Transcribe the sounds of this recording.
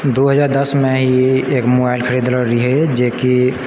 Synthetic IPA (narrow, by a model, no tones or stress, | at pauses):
d̪oɦəd͡ʒaːɾd̪əsmẽɦeːkmoːbaːɪlkʰəɾid̪ləɾiɦed͡ʒeːki